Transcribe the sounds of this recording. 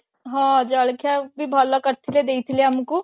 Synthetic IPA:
ɦãːd͡ʒaəɭkʰjabʱibʱalakəɾt̪ʰiled̪eːit̪ʰileəmku

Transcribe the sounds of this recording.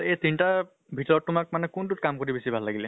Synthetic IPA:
ejt̪inta | bʱitɔɹɔtːʊmak̚manɛkuntutkamkoɹibesibʱalːaɡilɛ

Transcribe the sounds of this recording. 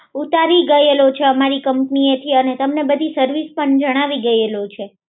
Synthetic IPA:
ut̪aɾiɡəelot͡ʃʰeəmaɾikəmpniet̪ʰiənet̪əmnebəd̪ʱisəɾʋispəɳd͡ʒəɽ̃aʋiɡəelot͡ʃʰe

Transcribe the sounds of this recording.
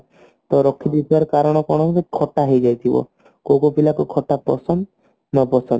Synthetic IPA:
t̪ɔɾɔkʰid̪it̪ʰibaɾɔkaɾɔɽ̃ɔkɔɽ̃ɔkekʰɔʈaɦejd͡ʒajt̪ʰibɔ̰ | kowkopilakukʰɔʈapɔ̰sɔn | nɔpɔsɔn

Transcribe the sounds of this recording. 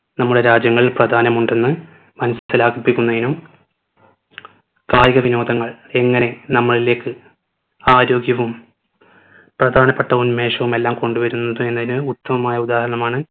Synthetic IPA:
nɐmːuɽe̞ɾaːd͡ʑjɐŋːɐɭprɐd̪ʱaːnɐmuɳɖe̞nːɨ | mɐnɐsɐsɐlaːɡipːikʲːunːɐðinum | kaːjɐɣɐʋino̞ːd̪ʱɐŋːɐɭ | e̞ŋːɐne̞nɐmːɐɭile̞ːkːɨ | aːɾo̞ːɡjɐʋum | prɐd̪ʱaːnɐpːeʈːɐunmeːʂɐʋume̞lːaːmko̞ɳɖuʋɐɾunːɐðue̞nːɐðinɨut̪ːɐmɐmaːjɐud̪aːhɐɾɐɳɐmaːɳɨ

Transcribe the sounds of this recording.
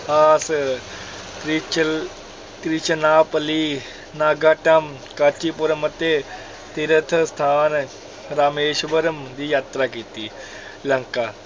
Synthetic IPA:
aːs | t̪ɾit͡ʃ | t̪ɾit͡ʃɐnaːpli | naːɡaːʈam | kat͡ʃipuɾɐmɐt̪e | t̪iɾət̪ʰst̪ʰaːn | ɾaːmeːʃbɐɾɐmd̪iːjaːt̪ɾakit̪i | lɐŋka

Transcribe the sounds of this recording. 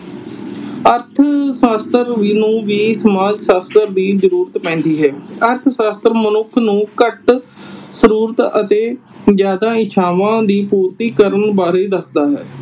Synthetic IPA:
əɾt̪ʰsaːst̪əɾʋiːnũːʋiːsəmaːd͡ʒsaːst̪əɾd̪iːzəɾuːɾət̪pɛ̃ːn̆d̪iːɦɛːəɾt̪ʰsaːst̪əɾmənʊkʰnũːkəʈ | səɾuːɾət̪ət̪eːzjaːd̪aːɪt͡ʃʰaːʋãːd̪iːpuːɾt̪iːkəɾənbaːɾeːd̪əsd̪aːɦɛː

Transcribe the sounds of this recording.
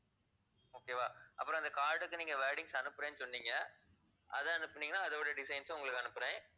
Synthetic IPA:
oːkeːʋaːʔɐ̰pːɯɾɔ̃ɪnd̪ɐkaːʈːɯkːɯniːŋɡɐʋeːɽɪŋɡsɐnɯpːɯɾẽːnːɯsɔnːiːŋɡɐ | ʔɐ̰ðɐ̃ɐnɯpːɐɳiːɡɐnaːɐðɐʋɽɐɖɪsɐjɪnsʊŋɡɐɭɯkːɯɐnɯpːɯɾẽː

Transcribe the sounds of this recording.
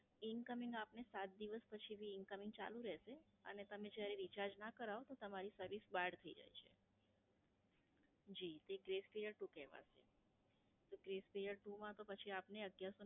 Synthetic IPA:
ɪnkəmɪ̃ŋɡapnesat̪̚d̪iʋəspət͡ʃʰiʋiːnkəmɪŋɡt͡ʃa̰lũɾɛʃe | ə̰net̪əmẽd͡ʒjaɾeɾit͡ʃaɾd͡ʒnakəɾaot̪ot̪əmaɾisəɾʋisbaɽt̪ʰəḭd͡ʒa̰jt͡ʃʰḛ | d͡ʒit̪eɡɾespijəɾʈukɛɦʋa̰ʃʰḛ | t̪oɡɾespijəɾʈumãt̪opət͡ʃʰiapneəɡjaso

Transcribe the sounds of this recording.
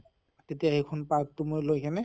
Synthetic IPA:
tetijaejkʰɔnpak̚tʊmojlojkanɛ

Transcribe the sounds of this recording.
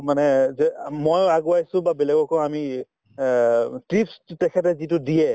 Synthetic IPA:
manɛzɛmojaɡuajsʊ̃babɛlɛɡɔkɔami | tipstɛkʰɛt̬ɛzit̬ʊdijɛ

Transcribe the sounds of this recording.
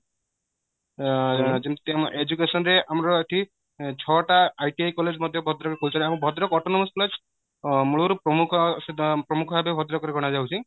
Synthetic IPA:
d͡ʒemt̪mʔed͡ʒukesɔnɾeamɾɔeʈʰi | t͡ʃʰɔʈaːjʈiajkɔled͡ʒmɔd̪ʱjɔbʱɔd̪ɾɔkekolut͡ʃʰɔnaamũbʱɔd̪ɾɔkɔʈonɔmɔskɔled͡ʒ | muɭuɾɔpɾɔmukʰɔspɾɔmukʰɔbʱabebʱɔd̪ɾɔkɔɾeɡʱɔɽ̃ad͡ʒawt͡ʃʰi

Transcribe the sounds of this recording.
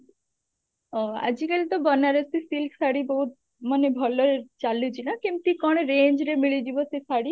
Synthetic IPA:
ɔa̰d͡ʑikelit̪ɔbɔnaɾet̪isilksaɽiboɦut̪̚ | manebʱɔloɾet͡ʃalːed͡ʑʰinakimt̪ikɔɽ̃eɾend͡ʑɾemiɭid̪ibɔsesaɽi

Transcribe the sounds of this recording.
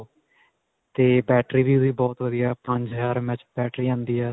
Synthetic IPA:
t̪eːbɛːʈɾiːbiːʊd̪iːbɔːt̪ʋəd̪ijaːpə̃ɲd͡ʒaːɾmɛ̃t͡ʃbɛːʈɾiːãːnd̪iːɛː

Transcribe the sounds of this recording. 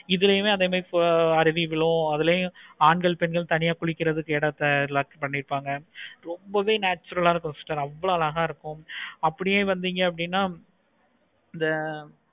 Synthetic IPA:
ɪðɯlɐjʊ̃meːɐðeːmɐːɐɾɪʋɪʋɪɭʊ̃ɐðɪlɐjʊ̃aːɳɡɐɭpɛnɡɐɭt̪ɐnɪjaːkʊɭɪkːɪɾɐðɯkːɛːɽɐt̪ːɐɾɪlaːkspɐɳːɪɾɯpːaːŋɡɐɾɔmbɐʋeːnaːt͡ʃːɐɾɐlaːnɐkɔnsɪʈːɐɾɐʋːɐɭoɐlɐɣaːɪɾɯkːʊ̃ɐpːɐɽɪjeːʋɐnd̪iːŋɡɐːp̬ːɐɽɪnːaː | ɪnd̪ɐ

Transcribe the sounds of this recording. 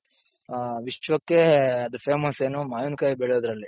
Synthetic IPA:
ʋiʂt͡ʃʋɐkːeɐd̪upʰeːmɐseːnumaːjunkaːjibeɭjoːd̪ɾɐlːi

